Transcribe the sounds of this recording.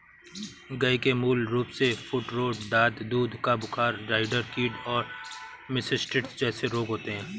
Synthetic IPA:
ɡɐikemuːlɾuːpsefʰʊʈɾoːɖd̪aːd̪d̪uːd̪ʱkabʊkʰaːɾɾaːɪɖəɾkiːʈɔːɾmɪsɪsʈɾɪʈsd͡ʒɛːseɾoːɡɦoːt̪eɦɛ̃ː

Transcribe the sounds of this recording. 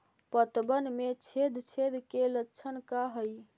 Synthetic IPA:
pət̪bənmet͡ʃʰed̪t͡ʃʰed̪kelətːt͡ʃʰənkaɦəj

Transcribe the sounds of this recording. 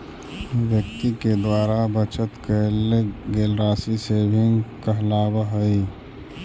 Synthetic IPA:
wjək̚t̪iked̪waːɾabət͡ʃət̪kəlɡeːlɾaːsiseːbʱɪ̃ŋɡkəɦlaːbəɦəi

